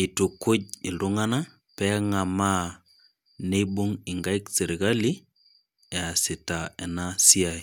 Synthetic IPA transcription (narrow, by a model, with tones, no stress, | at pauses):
i˨tu˨kʊ˦ɟ̚ɪ˨lʊ˦ŋa˦na˦ | pɛ˦ŋa˨ma˦ | ne˦ɓu˦ŋɪ˨ŋɡa˦i˦kse˨ɾi˨ka˦li˦ | ɛ˨a˨sɪ˨ta˨ɛ˨na˦si˦a˨i˨